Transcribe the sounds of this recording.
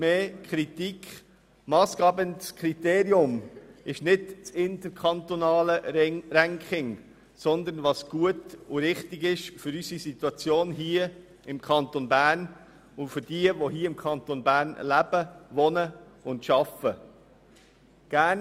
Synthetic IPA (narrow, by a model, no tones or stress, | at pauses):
meːkʰχɾit̪ikʰ | mɑːsɡ̥ɑbənskʰɾit̪eːɾiʊmɪʃnɪdt͡sɪnt̪əɾkʰɑnt̪onɑːləɾæŋkχɪŋ | sɔnd̪əɾnʋɑsɡ̥uətʊɾɪχtɪɡɪʃfʏɾysisit̪wɑt͡sjoːnɦiːə | ɪmkʰχɑnt̪onbæːɾn | ʊfʏɾd̥iəʋoɦiːəɪmkʰɑnt̪onbæːɾnlæb̥əʋɔnəʊntʃɑfə | ɡ̥æːn